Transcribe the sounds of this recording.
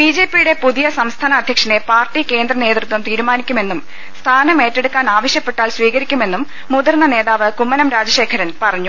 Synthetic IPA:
biːd͡ʑe̞ːpːijuɽe̞puðijɐsɐmst̪ʰaːnɐːd̪ʱjɐkʂɐnepaːrʈːike̞ːnd̪rɐne̞ːt̪rɨt̪wɐmt̪iːɾumaːnikʲːume̞nːum | st̪ʰaːnɐme̞ːtːeɽukːaːnaːʋɐɕjɐpːe̞ʈːaːlsʋiːɣɐɾikʲːume̞nːumːuðɐrnɐne̞ːðaːʋɨkumːɐnɐmɾaːd͡ʑɐɕe̞ːkʰɐɾɐnpɐrɐɲːu

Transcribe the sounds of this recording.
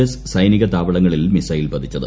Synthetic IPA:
essɐjniɣɐt̪aːʋɐɭɐŋːɐɭilmisɐjilpɐd̪ʰʱit͡ɕːɐðɨ

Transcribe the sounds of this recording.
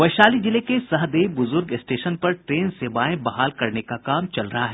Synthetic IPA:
ʋɐʃaːlid͡ʒɪlekesɐɦd̪eːbʊzʊɾɡɪsʈeːʃənpɐɾʈɾeːnseːbaːẽbɐɦaːlkɐɾnekakaːmt͡ʃɐlɾɐɦaɦɛː

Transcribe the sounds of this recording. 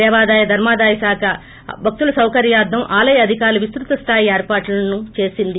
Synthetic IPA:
ɛːʋaːd̪aːjɐd̪ʱɐɾmaːd̪aːjɐsaːkʰɐ | bʱɐk̚t̪ulɐsɐwkɐɾjaːd̪ːɐmʔaːlɐjɐɐd̪ʱikaːɾlɐʋist̪ɾut̪ɐst̪ʰaːjieːɾpaːʈlɐnut͡ʃe̞ːsind̪i

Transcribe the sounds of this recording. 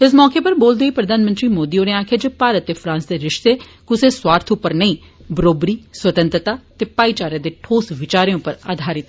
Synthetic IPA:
ɪs̬mɔːkeːpəɾboːld̪eːiːpɾəd̪aːnmənt̪ɾiːmoːd̪iːoːneːaːkʰeːd͡ʒeːpaːɾət̪ːeːpʰɾãːnsd̪eːɾɪʃt̪eːkʊseːswaːɾt̪ʰʊpːəɾnəĩː | bəɾoːbɾiːswət̪ə̃nt̪ɾət̪aːt̪eːpaːiːt͡ʃaːɾjãːd̪eːʈʰoːsʋɪt͡ʃaːɾẽːʊpːəɾa̰ːd̪ʱaːɾɪt̪

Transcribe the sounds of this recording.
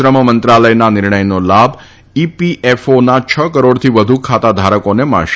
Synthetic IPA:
ɾəməmənt̪ɾaləjnanɪɾɳəjnolabʱ | ipiʔefonat͡ʃʰəkəɾoɽt̪ʰiʋəd̪ʱukʰat̪ad̪ʱaɾəkonemə̰̃ʃ

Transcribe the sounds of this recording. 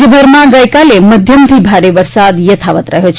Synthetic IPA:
əbʱəɾmãɡəjkaleməd̪ʱjəmt̪ʰibʱaɾeʋəɾsad̪jət̪ʰaʋət̪ɾəɦjot͡ʃʰ

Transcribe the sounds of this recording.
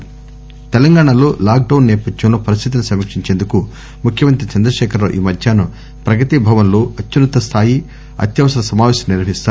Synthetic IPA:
t̪ɛlɐŋɡaːɳɐloːlaːk̚ɖɐwnːɛːpɐd̪ʱjɐmlo̞ːpɐɾist̪ʰit̪̬inisɐmikʂiɲt͡ʃe̞ːnd̪uku | mukʰjɐmɐnt̪ɾit͡ʃɐnd̪ɾɐʃɛːkʰɐɾlo̞ːʔiːmɐd̪ʱjaːnu | pɾɐɡɐt̪ibʱɐʋɐnloːɐtːunɐt̪ɐst̪ʰaːji | ɐ̰t̪jɐʋɐsɐɾɐsɐmaːʋɛːsɐmniɾʋɐɦist̪aː

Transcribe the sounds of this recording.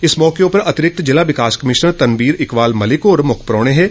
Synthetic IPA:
ɪsmɔːkejõpɐɾɐt̪ɪɾɪk̚t̪d͡ʒɪlaʋɪkaːskɐmɪʃəɳt̪ɐnʋiːɾɪkʋaːlmɐlɪkɔːɾmʊkʰpɾɔːɽ̃eɦɛː

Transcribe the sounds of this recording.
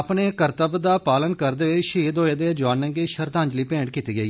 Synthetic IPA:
əpneːkəɾt̪əbd̪aːpaːlənkəɾd̪eːʋeʃiːd̪oːeːd̪eːd͡ʒaːnːẽːɡeːʃəɾt̪ãːɲd͡ʒliːpẽːɖkiːt̪iːɡəiː

